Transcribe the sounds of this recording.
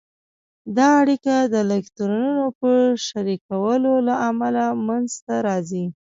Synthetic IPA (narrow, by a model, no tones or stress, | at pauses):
d̪ɑaɽikad̪əlɪkt̪uɾununopəʃaɾikawəlolaʔamalamanzt̪aɾɑzi